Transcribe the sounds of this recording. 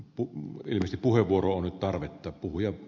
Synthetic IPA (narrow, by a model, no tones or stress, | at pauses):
puḭlmˑeˑst̪ippuheʋʋuoroonnyt̪t̪ɑrʋet̪ːɑːˑppuhujɑ